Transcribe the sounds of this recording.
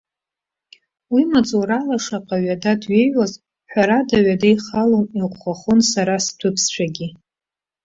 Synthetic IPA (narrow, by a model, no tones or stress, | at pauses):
wimat͡sʼoɾalaʂaqʼaɥadadɥejaz | ħʷᶣaɾadaɥadajχaloniqʷχaχʊnsaɾasdʷʰɨpʰst͡ɕʷᶣaɡʲi